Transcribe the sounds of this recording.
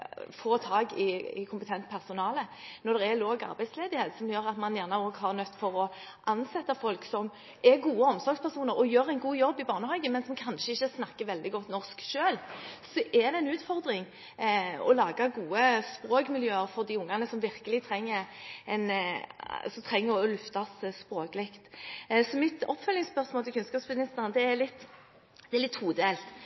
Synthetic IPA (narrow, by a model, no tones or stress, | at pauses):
foːt̪ʰɑːɡɪɪ̰kʰʊmpət̪ʰɛnt̪pʰæʁsʊnɑːlənɔd̪ɛʁɛloːɡɑ̰ɾbæɪsleːd̪ɪheːt̪sɔmjøːɾɑt̪mɑnjæʁnəoːɡɦɑʁnœt̪ːfɔɾɔ | ʔɑnsɛt̪ːəfɔlksɔm | ɛɡuːəɔmsɔɾɡspæʁsuːnəɾɔjøːɾæɪnɡuːjɔbːɪbɑːʁnəhɑːɡəmɛnsɔmkʰɑnʃəɪçːəsnɑkːəʋɛld̪ɪɡɔt̪ːnɔʁskʃøːlsɔʔɛd̪ɛɪnʉːt̪fɔɾd̪ɾɪŋ | ɔ̰lɑːɡɑɡuːəspɾoːkmɪljøːəɾfɔɾd̪iʊŋːɑnəsɔmʋɪɾkəlɪt̪ʰɾɛŋːəɾɛn | sɔmt̪ʰɾɛŋːəɔlʉft̪ɑsspɾoːklɪkt̪sɔmɪt̪ɔpːfœlːɪŋspœʁsmoːlt̪ʰɪkʰʉnskɑːpsbɪnɪst̪əɾənd̪ɛɛlɪt̪ː | d̪̥ɛɛlɪt̪ːhuːd̪eːlt̪